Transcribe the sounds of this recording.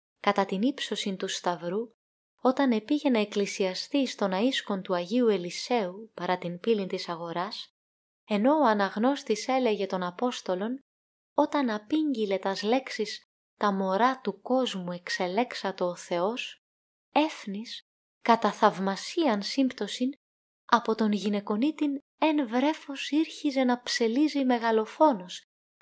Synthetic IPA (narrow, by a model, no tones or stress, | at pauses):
kɐt̪ɐt̪inipso̞sint̪ust̪ɐvɾu | o̞t̪ɐne̞piʝe̞nɐeklisiɐst̪ist̪o̞nɐisko̞nt̪uɐʝiue̞lise̞upɐɾɐt̪infilint̪isɐɣo̞ɾɐs | e̞no̞oɐnɐɣno̞st̪ise̞le̞ʝe̞t̪o̞nɐpo̞st̪o̞lo̞n | o̞t̪ɐnɐpiɲɟile̞t̪ɐzle̞ksis | t̪ɐmo̞ɾɐt̪uko̞zmue̞kse̞le̞ksɐt̪e̞oθe̞o̞s | e̞fnis | kɐt̪ɐθɐvmɐsiɐnsimbt̪o̞sin | ɐpo̞t̪o̞nʝine̞ko̞nit̪in | e̞nvɾe̞fo̞siɾçize̞nɐpse̞lizime̞ɣɐlo̞fo̞no̞s